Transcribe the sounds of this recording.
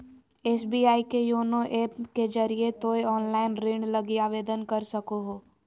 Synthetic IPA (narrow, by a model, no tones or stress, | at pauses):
eːsbiːaːikejoːnoʔeːpked͡ʒɐɾiet̪oːjɔːnlaːɪnɾẽːɳɖlɐɡiaːʋeːd̪ənkɐɾsɐkoɦoː